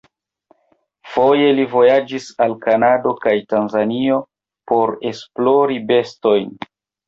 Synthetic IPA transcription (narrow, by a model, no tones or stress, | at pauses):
fo̞je̞livo̞jad͡ʒisalkanado̞kajtanzanio̞ | po̞ɾe̞splo̞ɾibe̞sto̞jn